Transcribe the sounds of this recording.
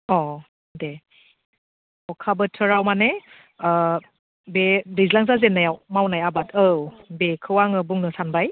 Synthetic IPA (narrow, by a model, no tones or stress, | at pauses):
ɔ | de | ɔkʰabɯtʰɯɾawmane | bedizlaŋzazenːajawmawnajabatɯwbekʰɯwaŋɯbuŋnɯsanbaj